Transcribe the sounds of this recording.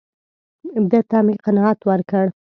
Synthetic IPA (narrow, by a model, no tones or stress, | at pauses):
ɪbd̪at̪amiqanɑɑt̪wəɾkəɽ